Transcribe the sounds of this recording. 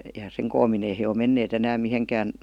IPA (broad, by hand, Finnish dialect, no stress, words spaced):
jɑ seŋ koːmmin ei he o menːeːt enæːm miheŋkæːn